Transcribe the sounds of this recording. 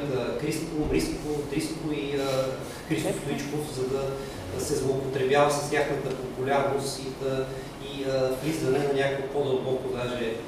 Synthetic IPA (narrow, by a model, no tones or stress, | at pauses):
əkɾist̪obɾisvot̪ɾiskoiə | kɾist̪ost̪ʊit͡ʃkozɐd̪ɐ | sɛzlˠoːpot̪ɾɛbjavəsə̥st̪ʲjaxnət̪əpopulʲaɾnost̪iə | iəplizvɐnɛnɐnʲakoɛpod̪ɐlˠbɔkod̪aʒɛ